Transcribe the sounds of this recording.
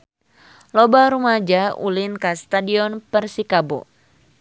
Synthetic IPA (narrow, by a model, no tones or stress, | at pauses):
lɔbaɾumad͡ʒaṵlinkast̪adiɔnpərsikabo̰